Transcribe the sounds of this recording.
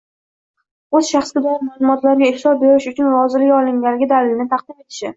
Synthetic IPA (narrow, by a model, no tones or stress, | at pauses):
ɵz̥ʃaχsɡʲɪd̪ɒɪɾmaːlˠʊmɒt̪laɾɡʲaɪhlɒbeɾɪʃʊt͡ʃʰʊnɾɒzɪlɪkʲɒlˠɪŋɡʲalɪɡʲɪd̪alɪlɪnɪt̪ʰɑqd̪ɪme̞t̪ʰɪ̥ʃɪ̰